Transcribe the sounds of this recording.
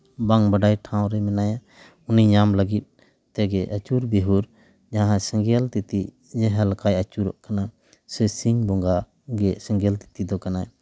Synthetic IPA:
baŋbaɖajʈʰaw̃ɾɛmɛnaja | uniɲamləɡit̪̚ | t̪ɛɡɛʔat͡ʃuɾbeɦuɾ | d͡ʒaɦãsəŋɡɛlt̪it̪i | d͡ʒɛɦɛlkajat͡ʃuɾɔʔkana | səsiŋbɔŋɡa | ɡɛsɛ̃ŋɡɛlt̪i̥t̪id̪ɔkana

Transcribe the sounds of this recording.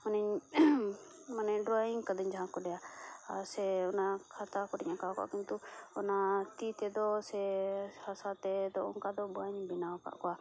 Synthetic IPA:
manɛɲ | manɛɖɾɔiŋɡkəd̪əɲd͡ʒaɦãkɔɖɛjaasɛɔnakʰat̪akɔɖɛɲakaka̰ʔkint̪uɔnat̪it̪ɛd̪ɔsɛhasat̪ɛd̪ɔṵŋkad̪ɔbuaɲbinawka̰ʔkɔa

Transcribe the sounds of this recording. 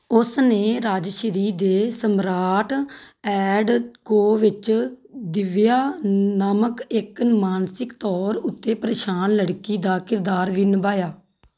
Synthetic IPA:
ʊsneːɾaːd͡ʒʃəɾiːd̪eːsəmɾaːʈɛːɖkoːʋɪt͡ʃd̪ɪʋjaːnəməkɪkmaːnsɪkt̪ɔːɾʊt̪ːeːpəɾeːʃaːnləɽkiːd̪aːkɪɾd̪aːɾʋiːnəbaːjaː

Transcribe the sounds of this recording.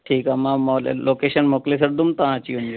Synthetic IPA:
ʈʰiːkɦamãmo̰lokeɕənmokles̬əɾd̪umt̪aɦãt͡ɕiund͡ʑo

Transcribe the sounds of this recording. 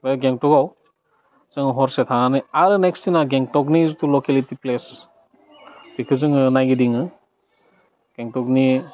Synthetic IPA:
bajɡeŋtɔɡaw | z̥ɯŋɯɦɔɾsetʰanɯjaɾɯnekstinaɡeŋtɔknizutulɔkelitiples | b̥ikʰɯzɯŋɯnajɡidiŋɯ | ɡ̥eŋtɔkni

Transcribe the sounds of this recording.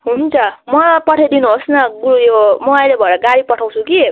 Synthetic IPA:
ɦunt͡sʰʌmʌpʌʈʰed̪inuɦosnʌɡujomʌajlebʱʌeɾʌɡaɽipʌʈʰaw̃t͡sʰuki

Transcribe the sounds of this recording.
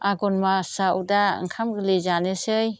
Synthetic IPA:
aɡɔnmasawdaɯ̰ŋkʰamɡɯlezanɯsɯj

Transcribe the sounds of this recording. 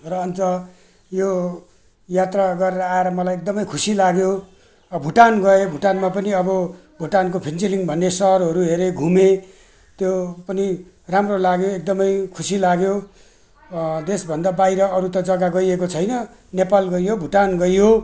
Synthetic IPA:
rʌʌnt͡sʌ | jo | jat̪raɡʌɾeɾʌaeɾʌmʌlajek̚d̪ʌmʌjkʰusilaɡjo | bʱuʈanɡʌebʱuʈanmapʌniʌbʌ | bʱuʈankopʰint͡siliŋbʱʌnːesʌʌrɦʌɾuɦeɾeɡʱume | t̪jopʌni | ramrolaɡjoek̚d̪ʌmʌjkʰusilaɡjo | d̪esbʱʌnd̪abajɾʌʌɾut̪ʌd͡zʌɡaɡʌjekot͡sʰʌjnʌ | nepalɡʌijobʱuʈanɡʌjjo

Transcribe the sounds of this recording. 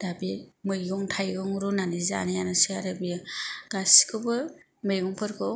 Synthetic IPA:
d̥abimɯjɡɔŋtʰajɡɔŋɾunaniza̰nijanɯsiaɾɯbijɡ̥asi̥kʰɯbɯ | mɯjjɔŋpʰɯɾkʰɔ

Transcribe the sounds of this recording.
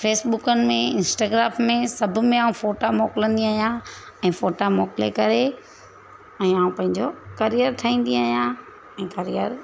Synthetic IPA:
feːsbʊkənɪ̆mẽɪ̃nsʈaːɡɾaːmmẽsɐbʱʊ̆mẽaːũfoːʈamɔːkɪlə̃nd̪iaːɦjãɛ̃ːfoːʈamɔːkɪlekɐɾe | ɛ̃ːaːũpɐ̃ɦɪ̃ɲd͡ʑokɐɾijəɾt̪ʰaĩːn̆d̪iaːijã | ɛ̃ːkɐɾijəɾ

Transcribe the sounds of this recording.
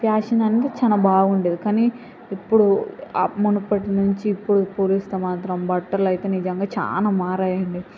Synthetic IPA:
pjaːʂɐnɐnit̪et͡ʃɐnɐbaːɡuɳɖeːd̪ikaːni | ipːuɽuɐ̰munupɐʈinuɲt͡ʃiːpːuɽupːuːɾist̪eːmaːt̪ɾɐmbɐʈːɐɾlɐjt̪e̞ːnid͡ʒɐŋɡaːt͡ʃa̰ːnaːmaːɾaːjɐɳɖi

